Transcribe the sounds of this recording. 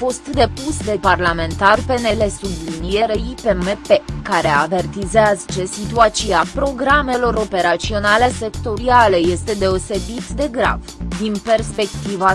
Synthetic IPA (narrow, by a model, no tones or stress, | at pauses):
fo̞st̪d̪e̞pusd̪e̞parlame̞nt̪arpe̞ne̞le̞sublinije̞ɾeipemepe̞kaɾe̞ave̞rt̪izeazət͡ʃe̞sit̪uat̪t͡ʃiapɾo̞ɡɾame̞lo̞ɾo̞pe̞ɾat̪sio̞nale̞se̞kt̪o̞ɾialeje̞st̪e̞d̪e̞o̞se̞bit̪d̪e̞ɡɾa̰vd̪inpe̞rspe̞kt̪iva